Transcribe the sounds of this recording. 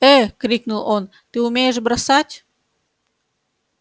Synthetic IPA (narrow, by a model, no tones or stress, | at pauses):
ɛkɾʲiknulˠon | t̪ɨʊmʲejəʂ̬bɾɐsatʲ